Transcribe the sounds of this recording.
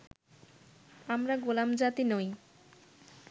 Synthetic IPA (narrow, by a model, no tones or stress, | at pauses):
amɾaɡolamd͡ʑat̪inoj